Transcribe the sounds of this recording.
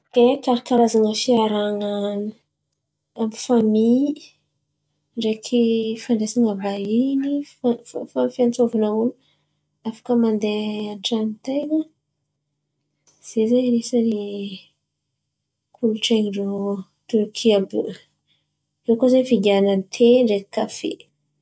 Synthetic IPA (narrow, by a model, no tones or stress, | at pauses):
k̪ekaɾkaɾazaŋəfiaɾaŋan | ambifamil | ɖ͡ʐekʰifaɳɖ͡ʐesaŋəbaini | fafant͡sovanaun | afḁkəmand̪eanʈ͡ʂanit̪ejkə | z̥ezeɾisəne | kʰuluʈ͡ʂeŋɖ͡ʐo | t̪uɾkʰiab | ewkozefiɡanət̪ʰeɖ͡ʐekkafḛ